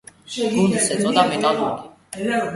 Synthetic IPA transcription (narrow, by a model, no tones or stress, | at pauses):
ɡund̪isɛɔd̪amɛt̪ʼaluɾi